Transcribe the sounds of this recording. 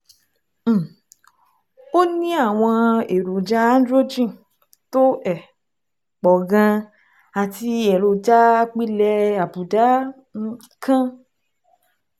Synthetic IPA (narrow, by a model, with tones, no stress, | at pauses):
o˦nĩ˦a˦˨w̃ɔ̃˧e˨ɾo˨d͡ʒa˦ã˦n˦dɾo˦d͡ʒĩ˦˨ | to˦ɛ˨ | k͡pɔ˨ɡã˧ | a˨ti˧ɛ˨ɾo˨d͡ʒa˦˧k͡pi˦lɛ˧˦a˨bu˨da˨˦˧ | kʰã˦